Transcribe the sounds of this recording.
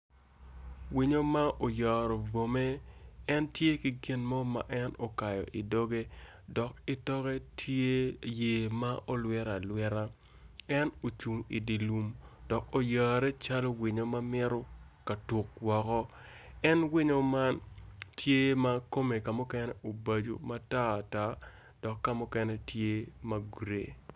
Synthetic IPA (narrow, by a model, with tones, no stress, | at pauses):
wi˨ɲo˦ma˦ʔo˨jɔː˨ɾɔ˨bo˨me˦ɛ˦ntje˦ki˦ɡi˦nmɔ˦ma̰˨ʔɛ˦no˨ka˨jɔ̰˨ʔi˨do˦ɡe˦ | dɔ˨k̚ɪ˦tɔ˦ɣɛ˦tʰje˦je˨ma˦ʔo˦lwɛ˦ɾa˨lwɛ˦ɾa˦ | ɛ˦no˨t͡ʃu˨ŋḭ˨di˨lu˨md̥ɔ˨ko˨jaː˨ɾɛ˦t͡ʃa˦lɔ˦wɪ˨ɲo˨ma˦mɪ˦ɾɔ˦ | ka˨tu˨k̚wɔ˨kɔ˦ | ɛ˦nwɪ˦ɲo˨ma˦ntʰje˦ma˦ko˦me˨ka˨mʊ˦kɛ˦nɛ˦ʔo˨ba˨d͡ʒo̰˨ma˦taː˦˨ta˦ | d̥ɔ˨kːa˦mʊ˦kɛ˦nɛ˦tʰje˦ma˦ɡɾḛ˨